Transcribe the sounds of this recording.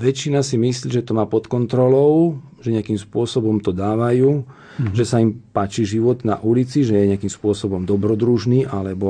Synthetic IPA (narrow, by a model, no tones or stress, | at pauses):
ʋɛt͡ʃːinasimisliʒɛt̪ɔmaːpɔt̪kɔnt̪ɾɔlɔʊ | ʒɛɲɪakimspʊɔsɔbɔmt̪ɔd̪aːʋajuː | ʒɛsaimpaːt͡ʃiʒiʋɔd̪na̰ʔulit͡siʒɛjɛɲɪakimspʊɔsɔbɔmd̪ɔbɾɔd̪ɾuʒniːʔalɛbɔ